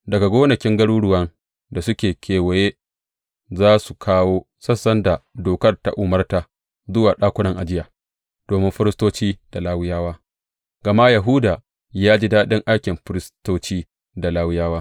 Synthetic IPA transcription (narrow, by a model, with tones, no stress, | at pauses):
dɐ˨ɡa˨ɡʷoː˦nɐ˨kʲɪ˦ŋɡɐ˦ɽuː˦ɽʊ˦wɐ˦ŋ | da˨sʊ˦kʲeː˨kʲʰeː˨wɐ˨je˦ | zaː˦su˨kʰaː˦woː˦ | sɐ˦sːɐ˦nda˨doː˨kɐ˦rta̰˦ʔʊ˨mɐ˦rta˨ | zʊ˦waː˨ɗaː˦kʷʊ˦nɐ˨ŋʔa˨d͡ʒɪ˦jaː˨ | d̥oː˨mɪ˦mɸɪ˦ɾɪ˦stoː˦t͡ʃiː˦d̥a˨laː˦wɪ˦jaː˦waː˦ | ɡ̥ɐ˨ma˦ja˨ɦu˦da˨ | jaː˦d͡ʒi˦daː˦ɗɪ˦ŋʔa˦jkʲɪ˨mɸɪ˦ɾɪ˦stoː˦t͡ʃiː˦ | da˨laː˦wɪ˦jaː˦waː˦